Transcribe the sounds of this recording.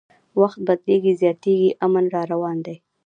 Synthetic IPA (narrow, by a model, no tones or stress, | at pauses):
waxt̪̚bad̪leɡizjɑt̪eɡiʔamənɾɑɾawɑnd̪aj